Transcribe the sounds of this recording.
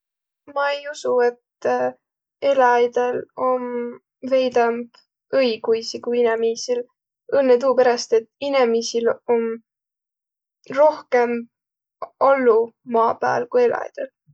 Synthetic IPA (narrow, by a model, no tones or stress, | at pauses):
mɑejusue̞t̪ | e̞lɑɑjd̪̥elo̞m | ve̞jd̪ɑmb̥ | ɤjɡujsikujinemiːsil | ɤnːet̪̬uːpeɾɑst̪et̪ːinemiːsilom | ro̞hke̞m | olːumɑːpæ̰ːlkuje̞lɑ̰jd̪̥el